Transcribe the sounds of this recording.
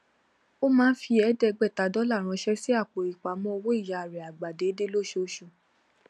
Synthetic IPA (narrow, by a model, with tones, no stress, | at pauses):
o˦mãː˦n̩˦fi˧ɛ˨˦dɛ˧ɡ͡bɛ˦˨ta˨˦dɔ˨˦la˦˨ɾ̃ã˧ʃɛ˦si˦a˦˨k͡po˨ɾi˨k͡pa˨˦mɔ̃˦o˧wo˦i˦˨ja˨ɾɛ˨a˨ɡ͡ba˨de˨˦de˦lo˦˨ʃo˨˧˦ʃũ˧˨